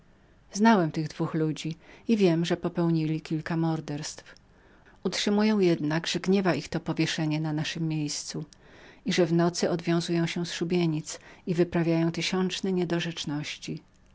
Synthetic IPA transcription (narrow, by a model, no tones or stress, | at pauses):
znawɛmt̪ɘɣd̪vuxlud͡ʑiivʲjɛmʐɛpɔpɛwɲilʲikʲilkamɔɾd̪ɛɾst̪f | utʂɘmujɔ̃w̃jɛd̪naɡʐɛɡɲɛvaixt̪ɔpɔvʲjɛʂɛɲɛnanaʂɘmːjejst̪su | iʐɛvnɔt̪sɘʔɔd̪vʲjɔ̃w̃zujɔ̃w̃ɕɛsʂubʲjeɲit̪sivɘpɾavʲjajɔ̃w̃t̪ɘɕɔnt͡ʂnɛɲɛd̪ɔʐɛt͡ʂnɔɕt͡ɕi